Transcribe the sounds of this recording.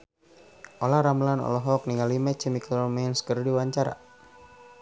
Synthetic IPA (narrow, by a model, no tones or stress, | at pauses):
ʔolahɾamlanɔ̰lɔɦɔk̚niŋalimɛt͡ʃɛmiklɔmɛnskərdiwaɲt͡ʃaɾa̰